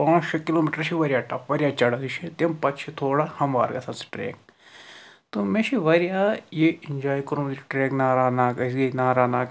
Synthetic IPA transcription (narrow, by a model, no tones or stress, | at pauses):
pãːʃɐkiloːmiːʈəɾʃʰiʋɐɾʲijaːʈɐpʋɐɾʲijaːt͡ʃɐɽɐd̪iʃʰit̪empɐt̪t͡ʃʰit̪ʰoːɽahɐmʋa̰ːɾɡɐ̰sʰɐ̃nsi̥ʈɾḛːk | t̪omẽʃʰiʋɐɾijaːjeɪnd͡ʒaːikʊɾmd̪iʈɾeːknaːɾaːnaːkɐsɡɐnaːɾaːnaːk